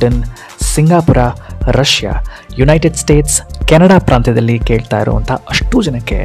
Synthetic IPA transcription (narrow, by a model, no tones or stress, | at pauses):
ɐn | siŋɡaːpuɾaɾɐʃja̰ | junɐjʈeɖsʈe̞ːʈskɛnɐɽaːpɾʔaːnt̪ʰɐd̪ɐlːikeːɭt̪aːjɾṵʋɐ̰nt̪ʰɐɐʂʈud͡ʒɐnɐkːḛ